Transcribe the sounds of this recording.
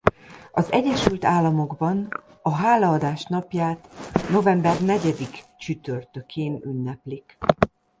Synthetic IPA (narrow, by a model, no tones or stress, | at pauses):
ɒzɛ̰ɟːɛʃylt̪aːlːɒmo̞ɡbɒn | ɒɦaːlɒːd̪aːʃnɒpjaːt̪no̞vɛmbɛrnɛɟɛd̪ikt͡ʃyt̪ørt̪ø̞kʰeːnynːɛplik